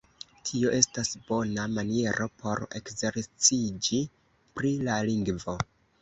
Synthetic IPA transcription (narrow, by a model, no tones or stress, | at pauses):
tʰio̞ʔe̞stasb̥o̞namanie̞ɾʔo̞pʰo̞ɾe̞̰kze̞ɾt͡sid͡ʒi | pɾilaliŋɡvo̞